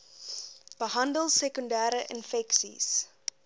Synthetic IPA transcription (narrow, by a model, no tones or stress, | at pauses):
b̥əɦɐndəlˠsɛkundæːɾəʔənfɛksḭs